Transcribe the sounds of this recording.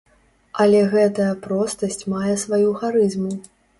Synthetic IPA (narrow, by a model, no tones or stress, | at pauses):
ɐlʲɛɣɛt̪ɐjɐpɾɔst̪ɐsʲt͡sʲmajɛsvajuxaɾɨzmu